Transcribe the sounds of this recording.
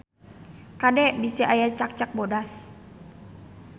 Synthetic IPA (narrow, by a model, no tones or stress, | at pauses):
kadɛbisiʔajat͡ʃak̚t͡ʃak̚bodas